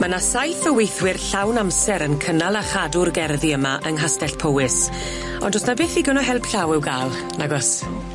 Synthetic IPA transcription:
manasajθəwejθwɪrɬawnamsɛɾənkʰənalˠaχadʊrɡɛrðiəmaʔəŋɦastɛɬpʰowɪs | ɔ̰ndɔsnabɪːθiːɡənɔɦɛlˠpɬawɪwɡaːlˠ | naɡɔs

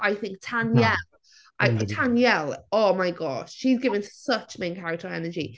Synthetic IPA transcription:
ʔaɪθɪ̃ŋk̚tʰãnjjɛl | ʔaɪtʰãnjɛloʊmaɪɡɒʃʃizɡɪvə̃nsʌt͡ʃmɪ̃nkʰaɹɪk̚tʰəɹɛnəd͡ʒi

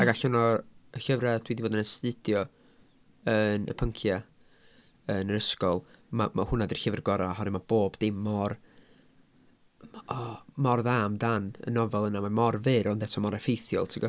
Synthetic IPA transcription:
aɡaɬɔnɔəɬəvrad̥wiːdiboːdənəstɨd̥jɔ | ənə̰pʰəŋkʰja | ənəɾəskɔlˠmamahʊnadir̥ɬɪvərɡɔɾaaɦɔɾɛmab̥oːbdɪmːɔr | ɔmɔrðaːmdanə̰nɔvɛlˠənamamɔrvɨɾɔndɛtʰɔmɔɾɛfejθjɔ̰lˠtʰɪɡɔ

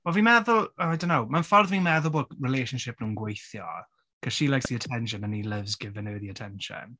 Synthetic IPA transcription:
wɛlˠvimɛðʊəajdõnːowmanfɔrðvinmɛðʊbʊːdkɹɪlejʃənʃɪp̚nuːnɡwejθjɔ̰ | kʰə̥ʃilˠajksiətʰɛnʃ̬ənənilˠɪvzɡɪvənəðiətʰɛnʃə̰n

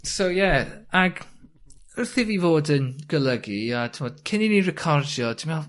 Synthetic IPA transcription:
sowjɛaɡ | ʊrθiviːvoːdənɡ̥əlˠəɡiatʰɪmɔːd̥kʰɪninirɪkʰɔrdjɔd̥ɪmɛlˠ

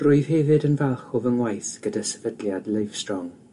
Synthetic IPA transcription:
rʊjð̥hɛvɨdənvɛlˠχɔvəŋwajθɡ̥ədasɛvədljadlˠəjv̥strɔŋ

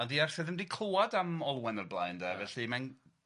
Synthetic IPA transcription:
ɔndiarsθɨðəmdikʰlowadamɔlˠwɛnərblˠa̰jndɛvɛɬiman

